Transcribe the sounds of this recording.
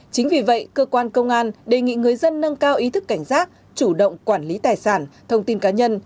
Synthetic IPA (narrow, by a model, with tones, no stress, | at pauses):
t͡ɕï˨˦ŋ̟vi˨˩və̰˧˨jkəː˧kwaː˧nkə˧wŋ͡mʔaː˧nɗe˨˩ŋḭ˧˨ŋɨ˨˩əjzə˧nːə˧ŋkaː˧wʔi˨˦t̪ʰɨ˦˥kːa˧˩jŋ̟zaː˦˥t̚ | t͡ɕu˧˩ɗə̰˧˨wŋ͡mkwaː˧˩nli˨˦t̪aː˨˩jsaː˧˩nt̪ʰə˧wŋ͡mt̪i˧nkaː˨˦ɲə˧n